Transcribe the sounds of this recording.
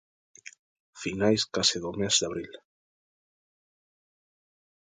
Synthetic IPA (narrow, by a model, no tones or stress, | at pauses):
finajskasɪðomezd̪aβɾil